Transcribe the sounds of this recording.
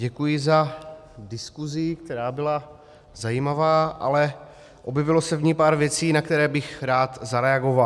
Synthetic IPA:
ɟɛkujɪza | dɪskuzɪkt̪ɛɾaːbɪla | zajimavaːʔa̰lɛ | ʔobjɛvɪlo̞sɛvɲipaːɾvjɛt͡siːnakt̪ɛɾɛːbɪxɾaːt̪zaɾɛaɡo̞val

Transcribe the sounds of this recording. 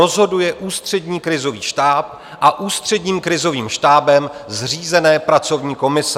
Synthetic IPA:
ozɦo̞dujɛʔuːst̪r̝̥ɛdɲiːkɾɪzo̞viːʃtaːp̚ | ʔaʔuːst̪r̝̥ɛdɲiːmkɾɪzo̞viːmʃt̪aːbɛmzr̝iːzɛnɛːpɾat͡so̞vɲiːko̞mɪs

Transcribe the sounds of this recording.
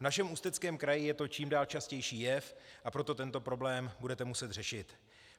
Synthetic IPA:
vnaʃɛmust̪ɛt͡skɛːmkɾajɪjɛt̪o̞t͡ʃiːmdaːlt͡ʃascɛjʃiːjɛfʔapɾo̞t̪o̞t̪ɛnt̪opɾo̞blɛːmbudɛt̪ɛmusɛt̪rɛʃɪt̪

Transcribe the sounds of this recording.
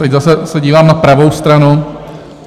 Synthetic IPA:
t̪ɛczasɛsɛɟiːvaːmnapɾavo̞wst̪ɾanu

